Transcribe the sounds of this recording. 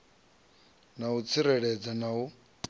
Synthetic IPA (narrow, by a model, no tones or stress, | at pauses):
naut͡sʰiɾɛɺɛd͡zanau